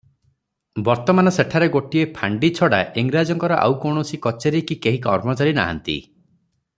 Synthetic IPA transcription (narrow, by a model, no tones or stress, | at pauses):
bɔɾt̪ɔmanɔseʈʰaɾeɡoʈiepʰaɳɖit͡ʃʰɔɽa̰ʔiŋɡɾad͡ʒɔŋkɔɾɔʔa̰wkɔwɳ̃ɔsikɔt͡ʃeɾekikeɦikɔɾmɔt͡ʃaɾina̰ɦa̰nt̪ḭ